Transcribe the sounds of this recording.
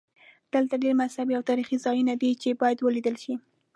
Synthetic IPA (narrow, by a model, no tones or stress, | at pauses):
d̪̥əlt̪aɖeɾmashabiawt̪ɑɾixizɑjunad̪it͡ʃebɑjad̪wəlid̪əlʃi